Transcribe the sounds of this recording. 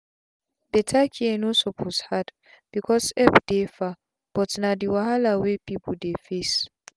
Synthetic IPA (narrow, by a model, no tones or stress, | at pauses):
b̥ɛtʰakʰiɛnosɔpʰoshad | b̥ikʰɔsɛpd̥efa | b̥ɔtnadiwahalawepipʰɔdefes